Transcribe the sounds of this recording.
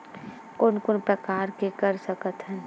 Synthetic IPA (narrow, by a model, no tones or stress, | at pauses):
koːnkonpɾəkaːɾkekɐɾsɐkət̪ɦɛ